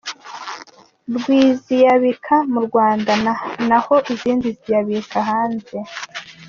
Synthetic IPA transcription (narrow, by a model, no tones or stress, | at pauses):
ɾɡwiːzijaβikʰamuɾɡwaːndananaho̞ʔiziːndizijaβikaɦaːnze̞